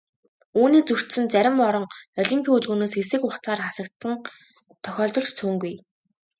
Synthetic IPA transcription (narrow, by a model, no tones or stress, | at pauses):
uːniːt͡sur̥t̪sɘ̆nt͡sæɾʲɪ̆mɔɾɞ̆ŋɔɮʲimpʲʰiuɮɣuːnoːsxesɘ̆kʊχt͡saːrχasə̆k̚t̪ʰːə̆n | t̪ʰœxʲɔːɮt̪ɞ̆ɮtt͡sʰuːŋɡuj